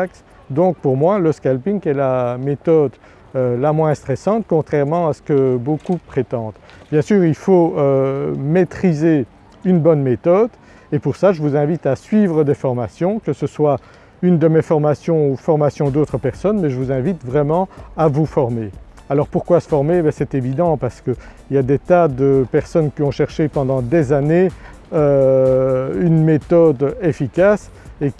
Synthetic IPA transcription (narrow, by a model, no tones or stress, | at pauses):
ks | d̪ɔ̃k̚puʁmwaləskalpiŋkɛlamet̪ɔd̪ | ølamwɛ̃st̪χɛsɑ̃t̪̚kɔ̃t̪χɛʁmɑ̃asə̥kəbokupχet̪ɑ̃d̪ | bjɛ̃syːʁilfoømet̪χize | ynbɔnmet̪ɔd̪ | epuʁsaʒəvuzɛ̃vit̪asɥiːvʁəd̪efɔʁmasjɔ̃kəsəswa | ynd̪əmefɔʁmasjɔ̃ufɔʁmasjɔ̃d̪ot̪χəpɛʁsɔnmɛʒəvuzɛ̃vit̪vʁɛmɑ̃avufɔʁmealɔʁpuʁkwasə̥fɔʁmebɛsɛt̪evid̪ɑ̃paʁsə̥kəiljad̪et̪ad̪əpɛʁsɔnkʲiɔ̃ʃɛʁʃepɑ̃d̪ɑ̃d̪ezane | ø | ynmet̪ɔd̪efikʲas | ek